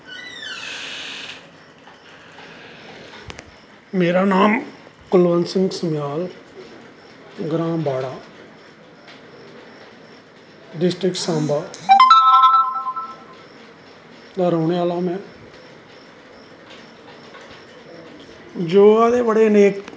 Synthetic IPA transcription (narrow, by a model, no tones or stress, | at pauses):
meːɾaːnaːmkʊlʋənsɪ̃ŋɡsəmjaːl | ɡɾãːbaːɽaː | ɖɪsʈɾɪkʈsãːmbaː | d̪aːɾoːɳeaːlaːmɛ̃ː | d͡ʒoːaːd̪eːbəɽeːneːk